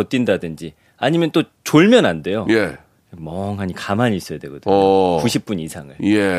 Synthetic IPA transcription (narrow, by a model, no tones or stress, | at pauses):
ʌt͈indadɯnd͡ʑi | aɲimjʌnt͈ot͡ɕoɭmjʌnande̞joje | mʌŋɦaɲikamaɲiːs͈ʌjadwe̞ɡʌdɯkuɕʰip̚p͈uɲisʰaŋɯɭje